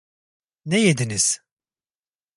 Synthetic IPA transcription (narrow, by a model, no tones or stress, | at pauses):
nejed̪iniz̥